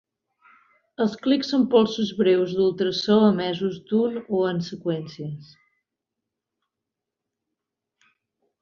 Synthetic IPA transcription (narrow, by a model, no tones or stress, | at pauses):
əlˠskliksompɔlˠsuzβɾewzðulˠt̪ɾəsɔəmɛzuzd̪unoənsəkwɛnsiəs